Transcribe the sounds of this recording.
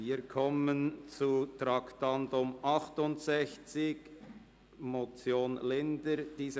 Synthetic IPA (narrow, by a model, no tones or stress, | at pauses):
iːkʰɔmənt͡sutɾɑktɑndʊmʔɑχtʊntsɛçt͡sɪk | mot͡sjoːnlɪndəɾd̥iːzə